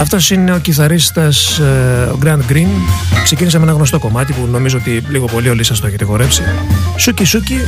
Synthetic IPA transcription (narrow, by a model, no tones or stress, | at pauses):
ɐft̪o̞sine̞o̞ciθɐɾist̪ɐsoɡɾɐnd̪ɡɾinkse̞cinis̬ɐme̞nɐɣno̞st̪o̞ko̞mɐt̪ipuno̞mizoot̪iliɣo̞po̞lio̞lisɐst̪oeçet̪eɣo̞ɾe̞fsisucisuci